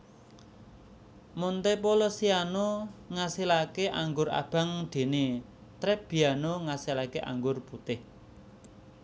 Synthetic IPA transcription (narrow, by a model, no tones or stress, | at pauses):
mont̪epolɔsianoŋasilakeʔaŋɡʊra̰b̥a̤ŋd̪̥e̤ne | t̪ɾɛp̚b̥i̤anoŋasilakeʔa̰ŋɡʊrput̪ɪh